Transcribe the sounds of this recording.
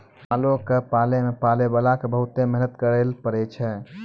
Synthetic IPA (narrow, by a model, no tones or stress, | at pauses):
aːlõkepaːlemepaːlebalakebəɦʊt̪emɛɦnət̪kəɾeːlpəɾet͡ʃʰɛ